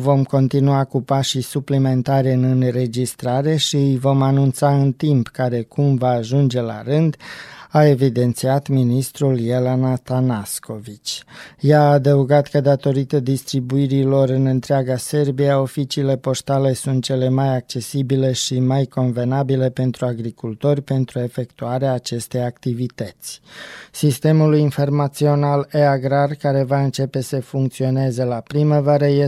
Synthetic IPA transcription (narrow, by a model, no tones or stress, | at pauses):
vo̞mko̞nt̪inuakupaʃisuplime̞nt̪aɾeɨnɨnre̞d͡ʒist̪ɾaɾe̞ʃiɨjvo̞manunt̪saɨnt̪impkaɾe̞kumvaːʒund͡ʒe̞la̰ɾɨnd̪ae̞vid̪e̞nt̪siat̪minist̪ɾuljelanat̪anasko̞vit͡ʃʲjaːd̪əuɡat̪kəd̪at̪o̞ɾit̪əd̪ist̪ɾibuiɾilo̞ɾɨnɨnt̪ɾeaɡase̞rbijao̞fit͡ʃiːle̞po̞st̪ale̞sunt̪̚t͡ʃe̞le̞majak̚t͡ʃe̞sibile̞ʃimajko̞nve̞nabile̞pe̞nt̪ɾuaɡɾikult̪o̞rʲpe̞nt̪ɾue̞fe̞kt̪uaɾeaːt͡ʃe̞st̪e̞jak̚t̪ivit̪ət̪sʲsist̪e̞mulujinfo̞rmat̪sio̞naleaɡɾarkaɾe̞vaɨnt͡ʃe̞pe̞səfuŋk̚t̪sio̞ne̞zelapɾiməvaɾəje